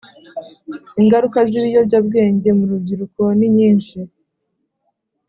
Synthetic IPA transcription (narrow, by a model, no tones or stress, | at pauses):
iŋɡaɾukaziβijo̞ɾɟaːb̚ɡe̞ːɲɟe̞muɾub̚ɟiɾuko̞niɲiːnʃi